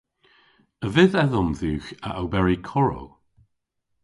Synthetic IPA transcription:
əvɪðɛðɔmðʉːxəʔawbɛɹikʰɔɹo̰w

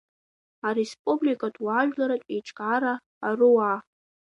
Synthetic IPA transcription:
aɾespʼublikʼadʼwaʒᶣlaɾatʼeʈ͡ʂʼkʼaɾaː | rɨwa

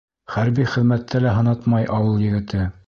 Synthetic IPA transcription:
χæɾbiχɘ̆ðmæt̪ːælæɦɤ̆nɑt̪mɑjʔɑwɤlˠjɘ̆ɡɘ̆t̪ɘ

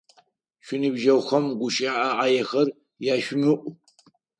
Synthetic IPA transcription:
ɕʷᶣʊnɨbʒɐwxɐmɡʷʊʃʼaʔaʔaːjɛxɐr | jaːɕʷᶣʊmɨʔʷ

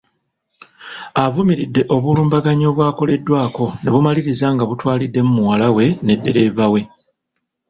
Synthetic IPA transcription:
avumiɾidːe̞ʔo̞βuluːmbaɡaɲo̞ːβwaːko̞le̞dːwaːko̞ne̞βumaliɾizaŋɡaβutwaːlidːe̞mumuwalawe̞ne̞dːe̞ɾe̞ːvawe̞

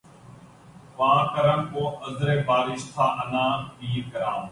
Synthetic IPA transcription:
ʋãːkəɾəɳkoːəzɾeːbaːɾɪst̪ʰaːʔənãːbiːɾɡəɾãːm

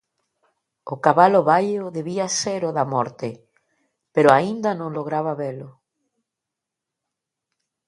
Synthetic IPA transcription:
ʊkaβalʊβajʊðeβiaseɾʊðamɔɾt̪e | peɾʊaind̪anõŋloɣ̞ɾaβaβelʊ

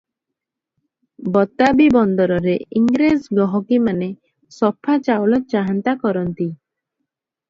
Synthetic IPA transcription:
bɔt̪abibɔnd̪ɔɾɔɾeiŋɡɾezɡɔɦɔkimane | sɔpʰːat͡ʃawlɔt͡ʃaɦant̪akɔɾɔnt̪i

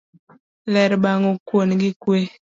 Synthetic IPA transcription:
lɛɾbaŋokwonɡikwe

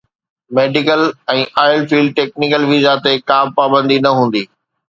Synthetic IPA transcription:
meːɖɪkəlɛ̃ːʔaːɪəlfiːlɖ̚ʈeːk̚nɪkəlʋizat̪ekaːb̚paːbə̃nd̪inɐɦũːn̆d̪iː

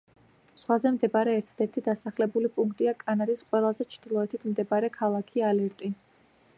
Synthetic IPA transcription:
sχwazɛmd̪ɛbaɾɛːɾt̪ʰad̪̥ɛɾt̪ʰid̪asaχlɛbulipʼuŋkʰt̪ʼiakʼanaɾisqʼwɛlˠazɛt͡ʃʰɾd̪̥ilˠɔɛt̪ʰit̪ʰmd̪ɛbaɾɛkʰalˠakʰialɛɾt̪ʼi

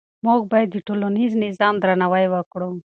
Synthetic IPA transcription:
mok̚bajd̪iʈuloniznizaːmd̪ɾanawajwakɽum

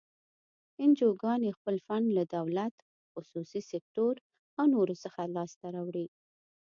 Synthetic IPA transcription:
ɪnd͡ʒoɡɑnexpəlfanlad̪awlat̪ | xʊsusisek̚t̪oɾ | awnoɾosəxalɑst̪aɾawɽi

